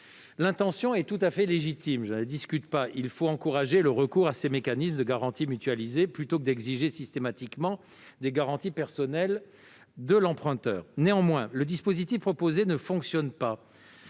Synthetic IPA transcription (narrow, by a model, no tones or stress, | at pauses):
lɛ̃t̪ɑ̃sjɔ̃ɛt̪ut̪afɛleʒit̪imʒənəd̪iskʲyt̪paʔilfoɑ̃kuʁaʒeləʁəkuʁasemekanisməd̪əɡaʁɑ̃t̪imyt̪ɥalizeplyt̪okəd̪ɛɡziʒesist̪emat̪ikmɑ̃ | d̪eɡaʁɑ̃t̪ipɛʁsɔnɛl | d̪əlɑ̃pχɛ̃t̪œ̰ːʁneɑ̃mwɛ̃ləd̪ispozit̪ifpχɔpozenəfɔ̃ksjɔnpa